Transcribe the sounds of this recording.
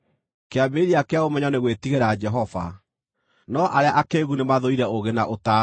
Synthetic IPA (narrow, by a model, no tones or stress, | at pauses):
keameɾiakeaomɛɲaɔneɣwetiɣeɾad͡ʒɛɦɔva̰ | nɔʔaɾeaʔakeɣunemaðoiɾɛoɣenaʔota